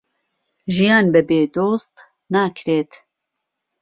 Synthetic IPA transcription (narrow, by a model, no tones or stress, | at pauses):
ʒijaːnbɛbeːd̪oːst̪ | naːkʰɾeːt̪